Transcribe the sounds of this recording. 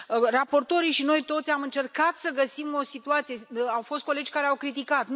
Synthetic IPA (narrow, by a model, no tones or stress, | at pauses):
rapo̞rt̪o̞ɾiʃino̞jt̪o̞t̪sʲamɨnt͡ʃe̞rkat̪səɡəsimo̞sit̪uat̪sijeawfo̞st̪̚ko̞le̞d͡ʒʲkaɾeawkɾit̪ikat̪